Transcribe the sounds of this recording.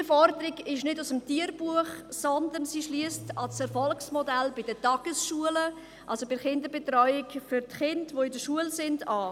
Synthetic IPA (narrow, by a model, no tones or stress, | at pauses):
fɔɾdəɾiɡɪʃnɪdusəmtiːəɾbuəχsɔnd̪ənsiʃliːəstɑsɛɾfɔlksmɔdælbɪdətɑɡ̥əsʃuələ | ʔʔɑlsobɪχɪndəbetrɔʏɪkfʏɾtχɪndʋoɪdəʃuəlsɪndɑː